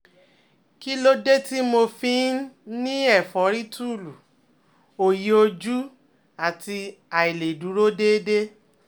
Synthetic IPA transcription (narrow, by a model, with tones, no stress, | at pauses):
ki˦lo˦de˦ti˦mo˧fĩ˧˦nĩ˦ɛ˦˨fɔ˨˦ɾi˦tu˦˨lu˨ | o˨ji˨˦o˧d͡ʒu˦ | a˨ti˧a˨i˨le˨du˨˦ɾo˦de˦de˦